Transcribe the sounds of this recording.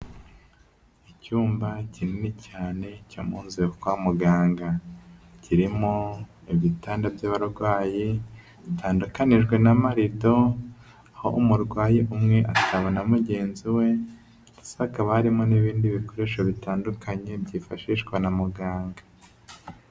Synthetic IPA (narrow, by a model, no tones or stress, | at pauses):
icuːmbacininicaːne̞camuːnzikwamuɡaːŋɡaciɾimo | iβjitaːndabjaβaɾɡwaːji | βitʰaːndukaniʒɡwe̞namaɾido̞ | aho̞̰umuɾɡwaːjeʔumŋe̞ʔataβanamuɟe̞ːnziwe̞̥ | isaakaβahaɾimo̞niβiːndiβiko̞ɾe̞ːʃaβitaːndukʰaɲe̞bɟiːfaʃiːʃɡwanamuɡaːŋɡa